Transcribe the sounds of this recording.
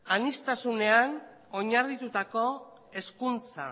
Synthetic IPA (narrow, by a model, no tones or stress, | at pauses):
anist̪asune̞an | o̞ɲarrit̪ut̪ako̞ | e̞skunt͡sa